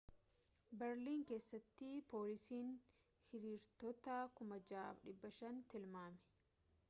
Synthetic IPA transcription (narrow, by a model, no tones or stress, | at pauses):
bɛɾliːŋke̞ːsːɐt̪ːɪpo̞ːlɪsiːn | hɪɾiːɾt̪ɔt̪akʊmɐd͡ʒaːʔɐ̰fᶑɪbːɐʃɐnt̪ɪlmaːmɛ̥